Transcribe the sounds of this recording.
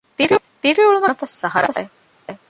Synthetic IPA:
t̪iɾi | t̪iɾiuɭunɐt̪ɐsːɐɦɐɾɐɐ | e

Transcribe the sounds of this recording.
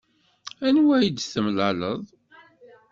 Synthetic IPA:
ænwæjəd̪θəmlələðˤ

